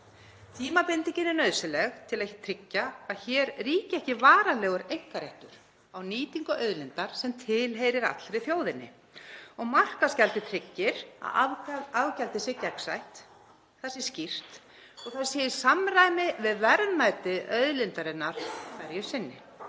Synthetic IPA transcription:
t̪ʰiːmapɪnt̪iɲcɪnɪnœɥðsɪlɛɣt̪ʰɪlaðɛhcɪ̥t̪ʰɾɪcːaaðçɛːɾriːcɪɛhcɪvaːɾalɛːɣʏɾejŋkaɾɛht̪ʏɾ̥ | awniːt̪iŋkʏʔœðlɪnt̪aɾ̥sɛmt̪ʰɪlɦejɾɪɾa̰t̪l̥ɾɪθjoːwðɪnːɪ̰ | ɔɣmar̥kascɛlt̪ɪt̪ʰɾɪcːɪɾ̥a̰aavcɛlt̪ɪsɛcɛksajht̪ | θɛsɪ̥scir̥t̪ | ɔɣθaɾsɛːjɪ̥samɾaːjmɪvɪðvɛɾðnajt̪ɪœðlɪnt̪aɾɪnːaɾ̥fɛɾjʏ̥sɪnːɪ̰

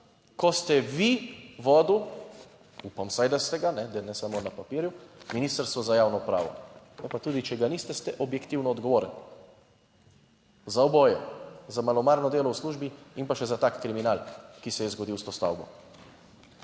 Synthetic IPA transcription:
kɔst̪ɛʋiʋɔːd̪u | upamsajd̪ast̪ɛɡanɛd̪ɛnɛsamonapapiɾjuminiːst̪əɾst̪ʋɔzajawnɔupɾa̰ːʋɔ̰ | nɛpat̪uːd̪it͡ʃɛɡanist̪ɛst̪ɛʔɔbjɛkt̪iwnɔɔd̪ɡɔʋoːɾən | zaɔbɔːjɛzamalɔmaɾnɔd̪eːlɔwsluːʒbiimpaʃɛzat̪aːkːɾiminalkisɛjɛzɡɔd̪iwst̪oːst̪a̰wbɔ̰

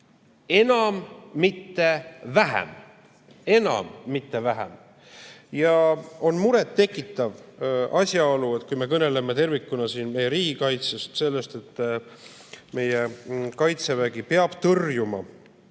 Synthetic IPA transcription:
e̞nɑmːit̪ːe̞væɦḛm | e̞nɑ̰mːit̪ːe̞væɦɛ̰m | jɑo̞nmuɾe̞t̪ːe̞kːˑit̪ːˑɑvɑsʲjɑolue̞t̪̚ˑkujme̞kɤne̞lemet̪e̞rvikːˑunɑsiːnme̞jːeɾiːɡikɑjt̪sest̪se̞lːe̞st̪e̞t̪ːˑ | me̞jekɑjt̪se̞væɡ̥ipeɑb̥t̪ɤrjumɑ̰

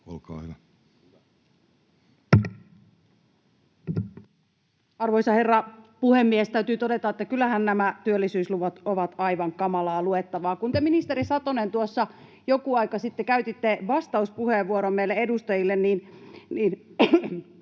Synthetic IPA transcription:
o̰lkɑ̰ːhyʋæ | ɑrʋoijsɑherːɑpuhemːiest̪æyt̪yːt̪odet̪ɑet̪ːækylːˑæhænnæmæt̪yølːisyːsluʋɑt̪oʋɑt̪ɑiʋɑŋkɑmɑlɑːluet̪ːɑʋɑːkunt̪eminist̪eɾisɑt̪onent̪uosːɑ | jokuɑikɑsit̪ːekæyt̪it̪ːeʋɑst̪ɑuspuheʋʋuoɾomːeilːeedust̪ɑjilːenniːnniːn

